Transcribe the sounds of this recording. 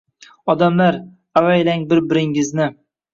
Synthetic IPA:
ɒd̪amlaɾ | avajlaŋbɪɾbɪɾɪŋɪznɪ

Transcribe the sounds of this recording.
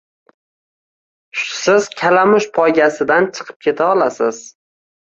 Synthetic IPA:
ʃsɪz̥kʲʰalamʊʃpʰɒjɡʲasɪd̪ant͡ʃʰɨ̥qʰɨ̥p̚kʲʰe̞t̪ʰaɒlasɪz̥

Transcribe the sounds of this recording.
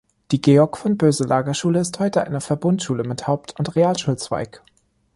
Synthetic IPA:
d̥iːɡeːɔɐkfɔnb̥øːzəlʔaːɡɐʃuːləɪsthɔʏtəʔa̰ɪnɐfɛɐbʊntʃuːləmɪthaʊp̚tʰʊntʁeaːlʃuːlt͡sv̥a̰ɪk

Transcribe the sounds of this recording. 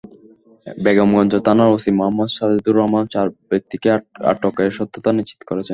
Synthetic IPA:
bɛɡomɡɔnd͡ʑot̪anaɾosimoɦamːod̪ʃad̪id̪uɾːɔɦmant͡ɕaɾbek̚t̪ikea̰ʈːɔkaeɾʃɔt̪ːot̪aniʃt͡ɕːi̥t̪o̥koɾet͡ɕʰen

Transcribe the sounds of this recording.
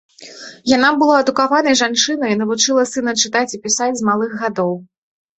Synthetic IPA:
jan̪abɨlˠaɐd̪ukavanɐjʐant͡ʂɨnɐin̪ɐvut͡ʂɨlˠɐsɨnɐt͡ʂɨt̪at͡sʲipʲisad͡zʲzmalˠɨxɣad̪ɔw

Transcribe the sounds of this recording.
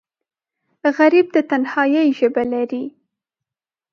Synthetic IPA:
ɣaɾib̚d̪ət̪anhɑjəjʒəbalaɾi

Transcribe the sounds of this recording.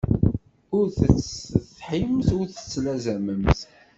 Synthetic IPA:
ʊɾθt͡sθħimθʊɾθə̥t͡sːlæzæməmθ

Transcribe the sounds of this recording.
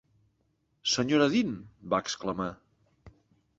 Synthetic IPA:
səɲoɾəðinbaəkskləma

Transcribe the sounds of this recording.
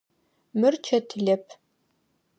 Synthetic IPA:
mɨrt͡ʃʰɐtʰɨɮɐpʰ

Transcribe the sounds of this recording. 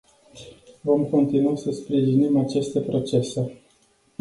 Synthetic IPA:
vo̞mko̞nt̪inuasəspɾiʒinimat͡ʃest̪e̞pɾo̞t͡ʃe̞se̞

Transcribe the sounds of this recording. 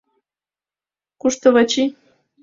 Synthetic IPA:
kuʃt̪oβat͡ɕi

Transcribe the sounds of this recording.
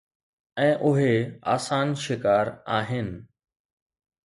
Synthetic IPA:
ɛ̃ːʔʊɦea̰ːsaːnʃɪkaːɾaːɦɪnɪ̆

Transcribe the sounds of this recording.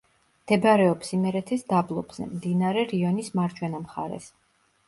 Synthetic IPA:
md̪̥ɛbɾɛɔpsimɛɾɛt̪ʰɛsd̪ablˠɔbz̥ɛ̰md̪inaɾɛɾiɔnismaɾd͡ʒʰwɛnamχa̰ɾɛ̰s

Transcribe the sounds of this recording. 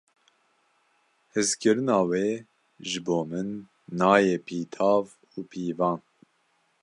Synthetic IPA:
hɨzkʰɨɾɨnɑːweː | ʒɨboːmɨnː | ɑːjeːpʰiːt̪ʰɑːv | uːpʰiːvɑːn

